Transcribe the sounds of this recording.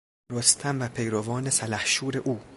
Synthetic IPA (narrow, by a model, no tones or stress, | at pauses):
ɾost̪ʰæmvæpʰejɾovɒːnesælæhʃuːɾe̞ʔuː